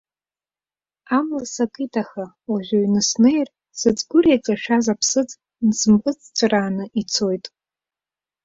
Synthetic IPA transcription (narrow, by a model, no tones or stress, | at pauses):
amlasakʼitʰaχa | waʒᶣʷoɥnɨsnejr | sɨt͡sʼɡʷʊrejkʼaʃᶣazapʰsɨt͡sʼ | nsɨmqʼɨt͡sʰʼt͡sʷʰʼraːnɨʔit͡sʰo̞jtʼ